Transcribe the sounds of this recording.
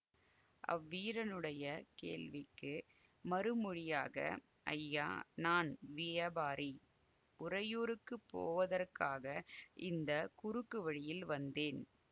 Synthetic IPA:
ʔɐ̰ʋːiːɾɐnɯɽɐjɐkḛːɭʋɪkːɯ | mɐɾɯmʊɻɪjaːɣɐ̰ | ʔɐ̰jːa̰ːnaːnʋɪjɐbaːɾi | ʔʊrɐjoːɾɯkːɯpːo̰ːʋɐðɐrkaːɣɐʔɪ̰nd̪ɐkʊɾɯkːɯʋɐɻɪjɪlʋɐnd̪eːn

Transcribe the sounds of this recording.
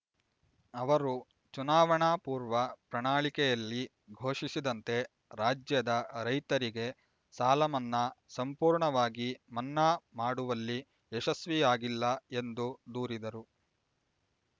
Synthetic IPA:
ɐʋɐɾu | t͡ʃunaːʋɐɳaːpuːɾʋɐpɾɐɳaːɭikɛjɐlːi | ɡʱo̞ːʂisid̪ɐnt̪e̞ | ɾaːd͡ʒjɐd̪ɐɾɐjt̪ɐɾiɡe̞ | saːlɐmɐnːɐsɐmpuːɾɳɐʋaːɡimɐnːaːmaːɽuʋɐlːi | eʃɐsʋijaːɡilːɐe̞nd̪ud̪uːɾid̪ɐɾu

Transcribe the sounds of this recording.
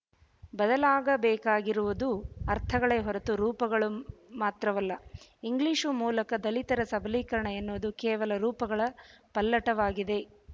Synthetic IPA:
bɐd̪ɐlaːɡɐbɛːkaːɡiɾuʋud̪uɐɾt̪ʰɐɡɐɭeːɦɔɾɐt̪uɾuːpɐɡɐɭumaːt̪ɾɐʋɐlːɐiŋɡliʂumuːlɐkɐd̪ɐlit̪ɐɾɐsɐbʱɐliːkɐɾɐɳɐenːuʋɐd̪ukɛːʋɐlɐɾuːpɐɡɐɭɐpɐlːɐʈɐʋaːɡid̪e̞

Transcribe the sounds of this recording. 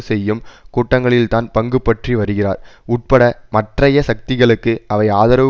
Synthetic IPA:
sɛjːɯmkuːʈːɐŋɡɐɭɪlt̪aːnpɐŋɡɯpːɐʈriʋɐɾɯɣɪra̰ːɾʊʈ̚pɐɽɐmɐʈrɐjɐsɐk̚t̪ɪɣɐɭɯkːɯʔɐʋɐɪaːðɐɾɐʋ

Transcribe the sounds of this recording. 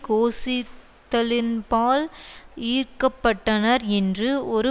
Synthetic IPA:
koːsɪ | t̪ːɐlɪnpaːliːɾkɐpːɐʈːɐnɐɾɛndrɯɔɾɯ

